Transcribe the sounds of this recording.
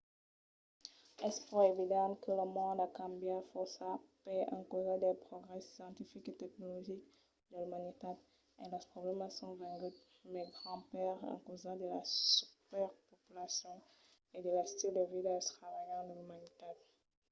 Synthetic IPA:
ɛspuʁevid̪ɑ̃kələmɔ̃d̪akãmbjafɔsapɛɑ̰̃kozad̪ɛpχoɡʁɛsjɑ̃t̪ifiket̪ɛknolɔʒik | d̪əlymanit̪ad̪̚ | ɛlɛʁpχoblɛmasɔ̃vɛ̃ɡyt̪ | mɛɡʁɑ̃pɛʁɑ̰̃kozad̪əlasy̥pɛʁpopylasjɔ̃ | ed̪əlast̪ild̪əvidat̪χavajɑ̃d̪əlymanit̪ad̪̚

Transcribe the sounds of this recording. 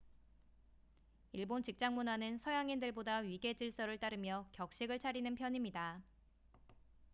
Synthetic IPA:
iɭbont͡ɕik̚t͡ɕ͈aŋmunanɯnsʰʌjaŋindɯɭbodaɥiɡe̞d͡ʑiɭs͈ʌɾɯɭt͈aɾɯmjʌkjʌk̚ɕ͈iɡɯɭt͡ɕʰaɾinɯnpʰjʌɲimɲida

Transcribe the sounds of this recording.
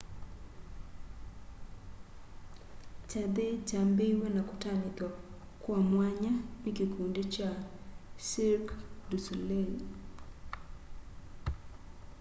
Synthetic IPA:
t͡ʃad̪ed͡ʒambewenakʊtanɪd̪ɔ | kːwɔmwaɲamɪkekʰundet͡ʃasiɾkdusulel

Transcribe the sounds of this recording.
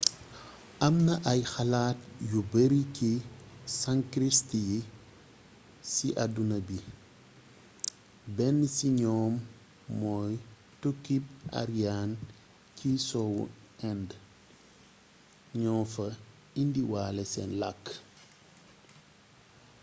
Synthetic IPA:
ʔɐmnɐʔɐjxɐlaːt̚jubəɾikisaŋkɾistji | siʔɐdunɐbi | bɛnːsiɲɔːmː | ɔːj | tukːip̚ʔa̰ɾijan | cisɔwṵ | ɛnd | ɲɔːmfɐ | indiwaːlɛsɛnlakː

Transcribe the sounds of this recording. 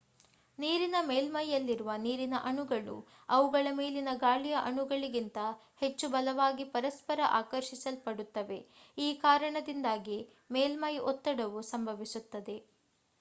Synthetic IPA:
niːɾinɐmeːlmɐjːɐlːiɾuʋɐniːɾinɐʔɐɳuɡɐɭṵ | ɐʋuɡɐɭɐmeːlinɐɡaːɭijɐʔɐɳuɡɐɭiɡint̪ɐhe̞t͡ʃːubɐlɐʋaːɡipɐɾɐspɐɾɐʔaːkɐɾʃisɐlpɐɽut̪ːɐʋe̞iːkaːɾɐɳɐd̪ind̪aːɡi | meːlmɐjɔt̪ːɐɽɐʋusɐmbʱɐʋisut̪ːɐd̪e̞

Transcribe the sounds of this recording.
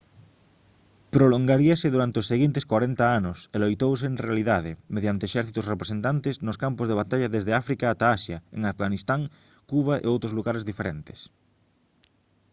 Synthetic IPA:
pɾoloŋɡaɾiaseðuɾant̪eosːeɣint̪eskwaɾent̪aanoselojt̪ows̬eːnrealiðaðemeðjant̪eʃɛɾθit̪osrepɾesent̪ant̪eznoskampozð̞eβ̞at̪aʎaðezðeafɾikaːt̪aasjaḛŋafɣanist̪aŋ | kuβ̞aʔḛowt̪ɾozluɣaɾezðifeɾent̪e̥s

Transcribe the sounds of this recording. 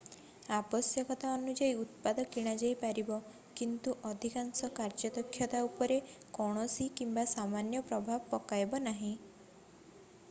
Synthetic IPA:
abɔsjɔkɔt̪aɔnud͡ʒaiut̪̚pad̪ɔkiɽ̃ad͡ʒajpaɾibɔ | kint̪uʔɔd̪ʱikaŋsɔkaɾd͡ʒɔd̪ɔkʰːjɔt̪aupɔɾekɔɽ̃ɔsikimbasamanjɔpɾɔbʱabpɔkajbɔnaɦĩ

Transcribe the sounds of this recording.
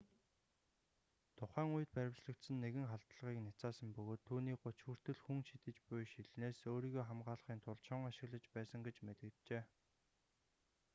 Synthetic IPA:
t̪ʰʊχæːŋuj̆t̪̚pæɾʲɪ̆wt͡ɕɮə̆kt̪sə̆nːeɣɘ̆ŋχaɬt̪ɮʁiːknat͡saːsə̆mpɵɣoːt̪ʰːuːniːk̚ɢʊt͡ɕxuːr̥t̪ɘ̆ɮxuŋʃit̪ɘ̆t͡ɕpʊjʃiɮneːsoːɾiːɣoːχamɢaːɮə̆χiːnt̪ʰʊɮt͡ɕʰɔŋaʃɪ̆ɣɮə̆t͡ɕpæːsə̆ŋɡet͡ɕmet̪ɘ̆kt̪t͡ɕeː

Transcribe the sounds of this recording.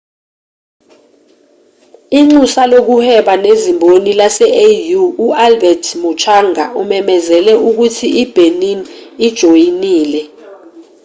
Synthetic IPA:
iŋ͡ǀusalok̬uhɛɓanezimbʱonilasɛejuːalbɛdʰmut͡ʃʰaːŋa̰umɛmɛzɛlɛʔuk̬utʰiʔib̥ʱeninid̥ʒ̥ʱojiniːlɛ

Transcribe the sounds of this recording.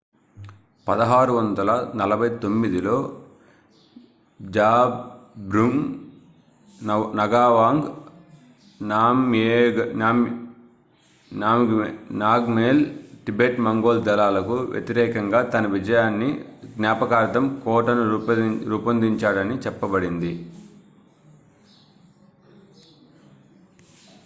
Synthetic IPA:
pɐd̪ɐɦaːɾuʋɐnd̪ɐlɐnɐlɐbʱɐjt̪o̞mːid̪ilo̞ː | d͡ʒaːbbɾuŋ | nɐɡaːʋaːŋɡ | naːmenaːm | naːmɡnaːɡmeːlʈibeːʈmɐŋɡoːld̪ɐlaːlɐkuʋjʔḛt̪iɾɛːkɐŋɡaːt̪ɐnɐʋid͡ʒɐjaːnːiɡnjaːpɐkaːɾt̪ɐmkɔːʈɐnuɾuːpɐnd̪iɲt͡ʃaːɽɐnit͡ʃɛpːɐbɐɽind̪i

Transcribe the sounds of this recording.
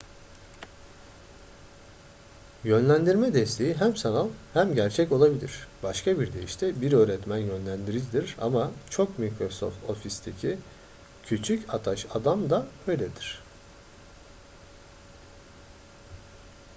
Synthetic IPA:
jønlʲænd̪iɾmɛd̪ɛst̪ʰe̞jiɦæmsanalˠhæmɟæɾt͡ʃʰɛco̞lˠabilʲiɾ̥b̥aʃkʰabiɾd̪e̞jiʃt̪ʰɛbiɾø̞ːɾɛt̪mænjø̞nlʲænd̪iɾid͡ʒid̪iɾa̰mat͡ʃʰo̞kmikɾo̞so̰ft̪ʰo̞fist̪ʰecʰi | cʰyt͡ʃʰycʰat̪ʰaʃad̪amd̪aøjlʲɛd̪iɾ̝̥

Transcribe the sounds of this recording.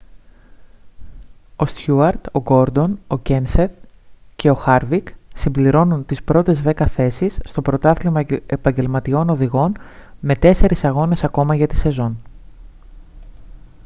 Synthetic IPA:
o̞st̪çuɐɾt̪o̞ɡo̞ɾd̪o̞no̞ce̞nseðce̞o̞xɐɾviksimbliɾo̞nunt̪ispɾo̞t̪e̞zðe̞kɐθe̞sisːt̪o̞pɾo̞t̪ɐθlimepɐɲɟe̞lmɐt̪io̞no̞ðiɣo̞nme̞t̪e̞se̞ɾisɐɣo̞ne̞sɐko̞mɐʝɐt̪i̥se̞zo̞n

